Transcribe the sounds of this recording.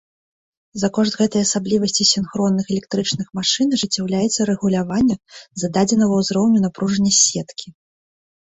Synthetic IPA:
zɐkɔʐd̪ɣɛt̪ɐjasablʲivɐsʲt͡sʲisʲinxɾɔnːɨxɛlʲɛk̚t̪ɾɨt͡ʂnɨxmaʂɨnʐɨt͡sʲːawlʲajɛt̪sːɐɾɛɣulʲavanʲːɐzɐd̪ad͡zʲɛnɐɣɐwzɾɔwnʲunapɾuʐɐnʲːɐsʲɛt̪kʲʰi

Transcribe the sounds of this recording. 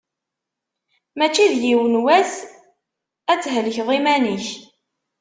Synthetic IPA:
mæt͡ʃːiðjiwənwæs | æt͡sːɦələçðˤimæniç

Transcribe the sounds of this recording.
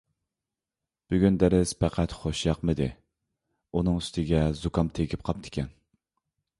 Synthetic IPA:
b̥yɡʲynd̪æɾɪspʰæqʰæt̪χoʃjɑqmɨd̪ɪ | unɨŋyst̪ʰɪɡʲɛzukʰɑmt̪ʰeɡʲɪp̚qʰɑp̚t̪ʰɪ̥kʲʰɛn

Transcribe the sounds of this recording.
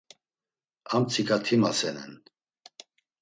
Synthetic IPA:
amt͡sʰikʰʼat̪ʰimasɛnɛ̰n

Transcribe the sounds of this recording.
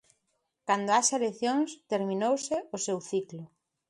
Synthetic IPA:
kand̪oaʃaleθjoŋst̪eɾmĩnowsɪʊsewθiklʊ

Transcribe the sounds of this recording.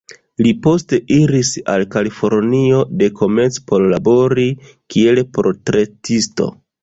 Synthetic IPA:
lipo̞ste̞ʔiɾisa̰lkalifo̞ɾnio̞de̞kʰo̞met͡spo̞ɾlabo̞ɾi | kie̞lpɾotɾe̞tisto̞̰

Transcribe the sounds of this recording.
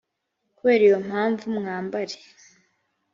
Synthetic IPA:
kwe̞ːɾijo̞m̥haːɱvumŋaːmbaɾe

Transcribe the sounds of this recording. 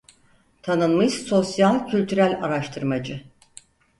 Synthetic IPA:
t̪ʰanɯnmɯʃso̞sjalʲcʰylʲt̪ʰyɾælʲaɾaʃt̪ʰɯɾmad͡ʒɯ

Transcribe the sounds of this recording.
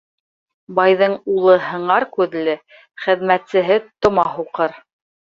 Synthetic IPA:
bɑjðɤɴulˠɤɦɤ̆ɴɑɾkʉðlɘ | χɘ̆ðmæt̪sɘ̆ɦɘt̪ŏmɑhuqɤɾ

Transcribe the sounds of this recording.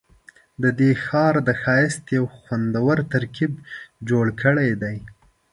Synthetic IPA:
d̪əd̪exɑɾd̪əxɑjɪst̪jawxwand̪awəɾt̪aɾkibd͡ʒoɽkʰəɽajd̪aj

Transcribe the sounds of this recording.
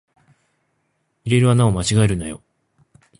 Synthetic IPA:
iɾe̞ɾɯ̟anao̞mat͡ɕiɡae̞ɾɯ̟na̰jo̞̰

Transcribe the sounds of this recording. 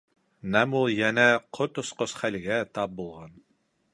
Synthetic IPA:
næmulˠjænæqʰot̪ŏsqosχælɡæt̪ɑp̚bulˠʁɑn

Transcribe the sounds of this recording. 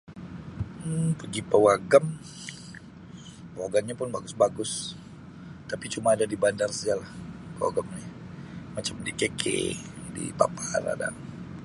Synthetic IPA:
pəɡipəwaɡam | pəwaɡamɲapʊnbaɡʊsbaɡʊs | t̪apit͡ʃumaːdadibandarsəd͡ʒalahpəwa̰ɡamɲa | mat͡ʃamdikekʰḛ | dḭpa̰paɾa̰da̰ŋ

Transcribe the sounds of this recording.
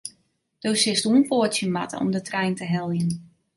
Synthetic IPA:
d̥owsɪstuənpoətsjəma̰tʰə̰ɔ̰mdətrɛjntəɦɛlˠjən

